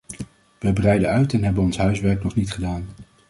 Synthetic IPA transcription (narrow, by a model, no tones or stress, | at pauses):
ʋəjbrɛjdəœɥtɛnɦɛbənɔnsɦœɥsʋɛɹknɔχnitχədaːn